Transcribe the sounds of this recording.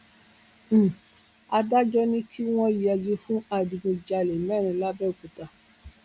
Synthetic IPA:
a˧da˦d͡ʒɔ˦nĩ˦kʰi˦w̃ɔ̃˦i˨a˧d͡ʒe˧fũ˦a˧˨di˧mĩ˧d͡ʒa˧le˨mɛ˦˨ɾ̃ĩ˧la˦bɛ˦˨ku˨ta˧˨

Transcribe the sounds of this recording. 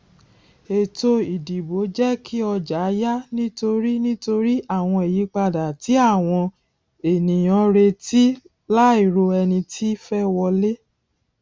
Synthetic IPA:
e˨to˧i˨di˨bo˨˦d͡ʒɛ˦kʰi˦ɔ˧d͡ʒa˨˦ja˦nĩ˦to˧ɾi˦nĩ˦to˧ɾi˦a˦˨w̃ɔ̃˧e˨ji˨˦k͡pa˧da˨ti˨˦a˦˨w̃ɔ̃˧ | e˨nĩ˨j̃ɔ̃˨˦ɾe˧ti˦ | la˦i˦˨ɾo˧ɛ˧nĩ˧tʰi˦fɛ˦wɔ˧le˦

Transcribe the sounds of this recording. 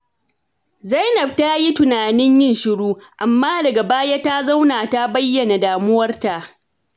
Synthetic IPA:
zɐ˦jnɐ˨b̚ta˦ji˦tʊ˨naː˨nɪ˦ɲjɪ˦nʃɪ˨ɽuː˦ʔa˨mːaː˦dɐ˨ɡa˨baː˦ja˦ta˦za˦wnaː˨ta˦bɐ˦jːɐ˨na˨daː˨mʊ˦wɐ˦rta˨ʔ

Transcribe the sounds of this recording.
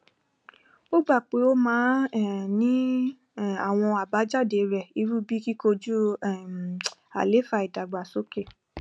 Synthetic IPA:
o˦ɡ͡ba˦˨k͡pe˨˦o˦mãː˨˦˨nĩ˦˨ | a̰˨w̃ɔ̃˧a˨ba˨˦d͡ʒa˦˨de˧˨ɾɛ˨i˨˦ɾu˦bi˦ki˦ko˧d͡ʒu˦˨ | a̰˨le˨˦fa˧˨i˨da˨ɡ͡ba˨so˦ke˦˨

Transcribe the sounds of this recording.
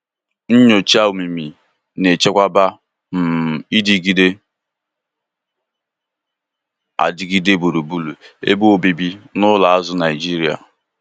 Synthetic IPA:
n̩˦ɲo˨t͡ʃa˦u˨mi˨mi˨ | ne˨t͡ʃe˦kʷa˦ba˦ | m̩˨i˦di˨ɡi˦de˦ | a̰˨dɪ˨ɡi˦de˦bu˨ɾu˨bu˦lu˨ḛ˦bu˦o˨bi˨bi˦nʊ˦la˨a˦zʊ˦na˨ɪ˨d͡ʒi˦ɾi˨˦a̰˨

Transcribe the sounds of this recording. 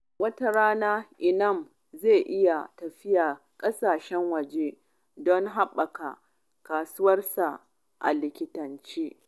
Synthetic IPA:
wɐ˦ta˦ɾaː˦naː˦ʔɪ˨nɐ˦˨m | zeː˦˨ʔɪ˦ja˨tɐ˨ɸɪ˦jaː˨ | kʼɐ˦saː˨ʃɛ˦ŋwɐ˨d͡ʒe˦ | dɔ˦ŋɦa˦ɓɐ˨ka˨ | kaː˨sʊ˦wɐ˦rsa˨ | ʔa̰˨lɪ˨kʲɪ˦tɐ˨nt͡ʃeː˦

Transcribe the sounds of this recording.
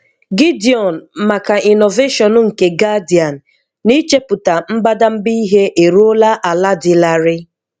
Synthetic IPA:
ɡɪ˦di˨ɔ˨n̩˨ma˨ka˨i˨no˨ve˦ʃɔ˨nʊ˦ŋ̩˨ke˨ɡa˦di˨a˨n̩˨ | ni˦t͡ʃe˦pʊ˨ta˨m̩˦ba˦da˦m̩˦bi˦i˦ɦe˦ʔe˨ɾu˦o˦la˦ʔa˨la˦dɪ˨la˨ɾɪ˦

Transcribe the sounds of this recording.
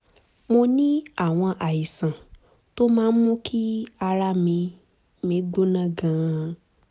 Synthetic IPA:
mõ˧nĩ˦a˨w̃ɔ̃˧ʔa˨ji˨sã˨ | to˦mãː˦n̩˦mũ˦kʰi˦a˧ɾa˦mĩ˨˧ | mĩ˨˦ɡ͡bo˦nã˨ɡã˨˦˧

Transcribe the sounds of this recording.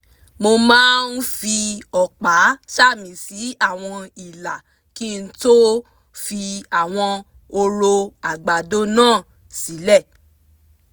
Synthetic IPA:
mo˧mãː˦n̩˦fi˧ɔ˨k͡pa˨˦ʃa˦˨mĩ˨si˨˦a˦˨w̃ɔ̃˧i˨la˨ | ki˦˧n̩˦to˦ | fi˧a˨w̃ɔ̃˧ | o˧ɾo˧a˨ɡ͡ba˨do˦nãː˦˨ | si˨˦lɛ˦˨

